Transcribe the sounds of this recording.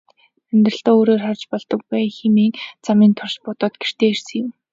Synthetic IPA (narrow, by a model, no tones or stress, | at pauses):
mænt̪rə̆ɬt̪oːoːɾoːrχart͡ɕpɔɮt̪ɞ̆k̚pæjxemiːŋt͡samiːnt̪ʰʊrspʊt̪ɔːt̪ɡer̥t̪eːersɘ̆ŋjɪ̆m